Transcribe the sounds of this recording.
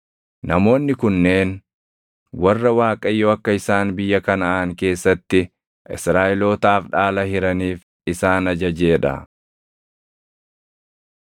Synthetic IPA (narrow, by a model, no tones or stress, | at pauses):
nɐmo̞ːnːɪkʊnːe̞ːn | wɐrːɐwaːkʼɐjːoːɐkːɐɪsaːnbɪjːɐkɐnɐʔːŋke̞ːsːɐt̪ːɪ | ʔɪ̰sɾaːʔɪlo̞ːt̪aːfᶑaːlɐhɪɾɐniːf | ɪsaːnɐd͡ʒɐd͡ʒe̞ːᶑɐ̰